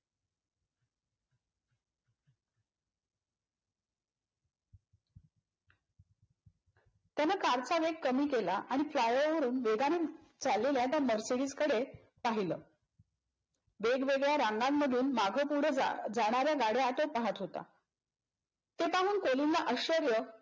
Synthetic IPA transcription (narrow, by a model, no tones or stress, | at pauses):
t̪janakaɾt͡saʋeɡ̚kːəmiːkelaʔaɽ̃iflajəʋəɾuːnʋeɡanet͡salːeljat̪jaməɾseɽiːt͡skəɽe | paɦiləː | ʋeɡʋeɡɭjaɾaŋɡamːəd̪ʱuːnmaɡʱəpuɽəd͡zaɽ̃aɾjaɡaɽeat̪opaɦat̪ɦot̪a̰ | t̪epaɦuːnkolinːaʔəɕəɾjə